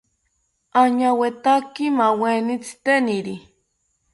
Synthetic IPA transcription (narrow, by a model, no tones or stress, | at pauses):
aɲawet̪akimawenit͡si̥t̪eniɾi